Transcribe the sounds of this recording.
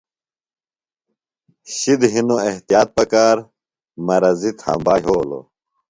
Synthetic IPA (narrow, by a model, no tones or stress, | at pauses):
ɕid̪ɦinoeht̪ijaːt̪̚pɐkaːɾ | mɐɾɐzit̪hɐ̰̃mbaːjɦoːlo̰